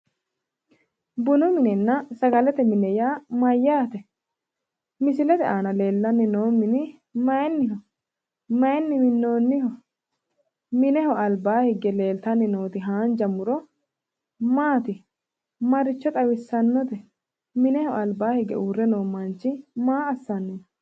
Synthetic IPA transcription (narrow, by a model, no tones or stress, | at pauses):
bʊnʊmɪnɛnːɐsɐɡɐlɛt̪ɛmɪnːɛjaːmɐjːaːt̪ɛ | mɪsɪlɛt̪ɛʔaːnɐle̞ːlːɐnːɪno̞ːmɪnɪ | mɐjɛnːɪɦɔ | mɐjɛnːɪmɪnːo̞ːnːɪhɔ | mɪnɛhɔɐlbaːhɪɡɛle̞ːlt̪ɐnːɪno̞ːt̪ɪɦaːnd͡ʒɐmʊɾɔ | maːt̪ɪ | mɐɾɪt͡ʃːɔt̪ʼɐwɪsːɐnːɔt̪ɛ | mɪnɛhɔɐlbaːhɪɡɛ̰ʔuːrːɛnoːmːɐnt͡ʃːɪmaːɐsːɐnːɪn